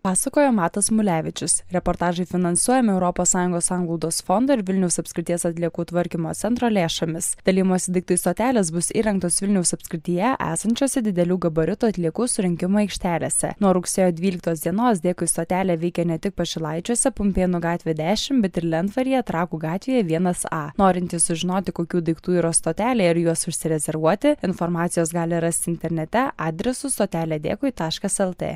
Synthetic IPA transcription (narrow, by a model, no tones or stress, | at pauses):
pɑːsɐkoːjomɑːt̪ɐsmʊlʲæːʋʲɪt͡ʃʲʊsɾʲɛpoːɾt̪ɑːʒɐɪfʲɪnɐnsuɔjɛmʲɪɛʊɾɔpɔːssɑːjʊŋɡoːssɑːŋɡlˠɔʊd̪oːsfond̪oɪɾʋʲɪlʲnʲɛʊsɐpʲsʲkʲɾʲɪt̪ʲiɛsɐt̪ʲlʲiɛkuːt̪ʋɐɾʲkʲɪmo̰ːt̪sʲɛnt̪ɾoːlʲeːʃoːmʲɪsd̪̥ɐlʲiːɪmoːsʲɪd̪ʲɪk̚t̪ɐɪst̪oːt̪ʲæːlʲɛs̬bʊsḭːɾɐŋk̚t̪oːsʋʲɪlʲnʲɛʊsɐpʲskʲɾʲɪt̪ʲijɛʔæ̰ːsɐnʲt͡ʃʲoɔsʲɛd̪ʲɪd̪ʲɛlʲuːɡɐbɐɾʲʊt̪uːɐt̪ʲlʲiɛkuːsʊɾʲɪŋʲkʲɪmoːɛɪkʃʲt̪ʲæːlʲḛːsʲɛ̰nuɔɾʊksʲeːjoːd̪ʲʋʲiːlʲɪk̚t̪oːsʲd̪ʲiɛnoːs̬d̪ʲeːkʊɪst̪oːt̪ʲæːlʲeːʋʲɛɪkʲɛnʲɛt̪ʲɪk̚pɐʒʲɪlˠɐɪt͡ʃʲuɔsʲɛpʊmʲpʲeːnʊɡɑːt̪ʲʋʲeːd̪ʲæːʃʲɪmbʲɛt̪ɪɾlʲɛnt̪ʋɐɾʲjiɛɐt̪ɾɑːkuːɡɑːt̪ʲʋʲejɛʋʲiɛnɐsɑːnoːɾʲɪnʲt̪ʲiːssʊʒʲɪnoːt̪ʲɪkoːkʲuːd̪ɐɪkt̪uːiːɾɐst̪oːt̪ʲæːlʲɛːɪɾjuɔsʊʃʲsʲɪɾʲɛzʲɛɾʋuɔt̪ʲɪɪnfoɾmɑːt̪sʲɪjoːsɡɑːlʲɪɾɐsʲt̪ʲɪnʲt̪ʲɛɾʲnʲɛt̪ʲɛʔɑːd̪ʲɾʲɛsʊst̪oːt̪ʲæːlʲeːd̪ʲḛːkʊɪt̪ɑːʃkɐsɛlˠt̪ʲḛː